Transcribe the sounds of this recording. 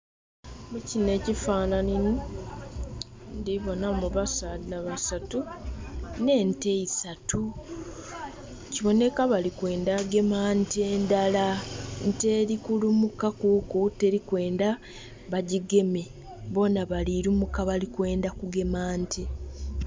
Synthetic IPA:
mucine̞ːcifaːnanini | ndiβo̞namuβasanaβasatu | ne̞ːnte̞isatʰu | ciβo̞ne̞kaβalikwe̞ːndaɡe̞maːnteːndalante̞ːɾikulumukakukutːe̞ɾikwe̞ːnda | βaɟiɡe̞me | βo̞naβaliɾumukːaβalikwe̞ːndakuɡe̞maːntʰe

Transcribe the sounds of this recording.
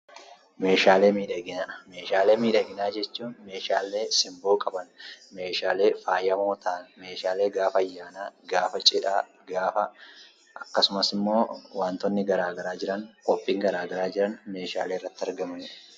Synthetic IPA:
me̞ːʃaːle̞ːmiːᶑɐɡɪnaːme̞ːʃaːle̞ːmiːᶑɐɡɪnaːd͡ʒɛt͡ʃːuːnme̞ːʃaːlːe̞ːsɪmboːkʼɐbɐnme̞ːʃaːle̞ːfaːjɐmoːt̪aːnme̞ːʃaːle̞ːɡaːfɐɐjːaːnaːɡaːfɐt͡ʃʼɪᶑaː | ɡaːfɐ | ʔɐkːɐsʊmɐsɪmːo̞ːwaːnt̪ɔnːɪɡɐɾaːɡɐɾaːd͡ʒɪɾɐŋkʼɔpʼːiːŋɡɐɾaːɡɐɾaːd͡ʒɪɾɐnme̞ːʃa̰ːle̞ːrːɐt̪ːɪɐɾɡɐmɐnɪᶑɐ̥

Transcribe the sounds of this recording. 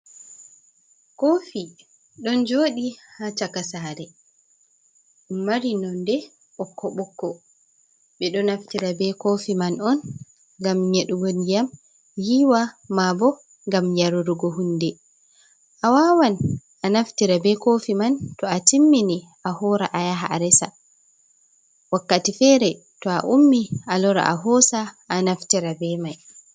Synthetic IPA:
kofi | ɗɔnd͡ʒoːɗihat͡ʃakasaːɾɛ | ɗunmaɾinɔndɛ | ɓɔkːɔɓɔkːɔ | ɓɛɗɔnaftiɾabɛkofimanɔn | ɡamɲeɗuwonijam | jiwamabɔ | ŋɡamjaɾuɾuɡɔɦundɛ | ʔawawanʔanaftiɾabɛkofimantɔatimːini | ʔahɔɾa̰ʔajaɦaɾɛsa̰ | wakːatifɛɾɛ | tɔa̰ʔumːiʔalɔɾa̰ʔa̰ɦɔsaː | naftiɾabɛmaj

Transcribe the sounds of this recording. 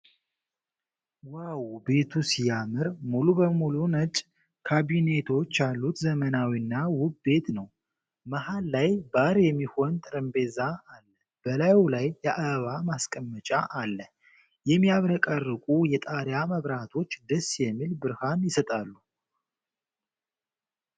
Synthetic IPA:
wawbe̞t̪ʰusijamɨɾmulubəmulunət͡ʃʼ | kʰaβine̞t̪ʰo̞t͡ʃːalːut̪zəmənawinːawʊbbe̞t̪nəw | məhalːajbaɾjɛmːiho̞nt̪ʼɨɾɨmbe̞zaːlːə | b̥əlajlajːɛʔaβamaskʼəmːət͡ʃʼaʔalːə | jɛmːijaβɾəkʼərːɨkʼujɛt̪ʼaɾjaməβɾat̪ʰo̞t͡ʃːd̪əsːjɛmːilbɨɾhanjɪsət̪ʼalːu

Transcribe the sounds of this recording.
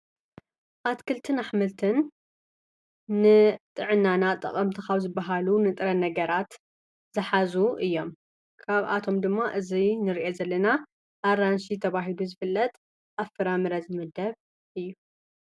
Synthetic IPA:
ʔat̪kʰɨlt̪ʰɨnaħmɨlt̪ʰɨn | ɨt̪ʼɨʕɨnːanat̪ʼɐ̰χʼɐmt̪ʰɨxaβzɨbːɐɦalunɨt̪ʼɨɾɐnɐɡɐɾat̪ | z̥ɨħazuʔɨjːo̞m | kʰaβa̰t̪ʰo̞md̪ɨmːaʔɨzinɨɾiʔezɐlːɐna | ʔaɾanʃit̪ʰɐβaɦiluzɨfɨlːɐt̪ʼ | ʔafɨɾamɨɾɐzɨmɨd̪ɐβ | ʔɨjːu

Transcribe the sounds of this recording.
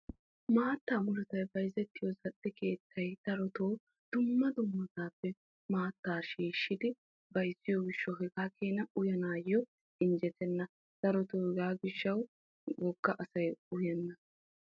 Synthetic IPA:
maːt̪ːaːmʊlʊt̪ɐjbɐjzɛt̪ːɪjɔzɐɗːɪke̞ːt̪ʰːɐjt̪ɐɾɔt̪oː | d̪̥ʊmːɐd̪ʊmːɐt̪aːpːɛ | maːt̪ːaːʃiːʃːɪd̪ɪ | bɐjsːɪjɔɡɪʃːɔɦɛɡaːkʰeːnɐʊjɐnaːjːɔ | ɪnd͡ʒɛt̪ɛnːɐ | t̪ɐɾɔt̪oːhɛɡaːɡɪʃːɐw | wɔɡːɐʔɐsɐjʊjɛnːɐ

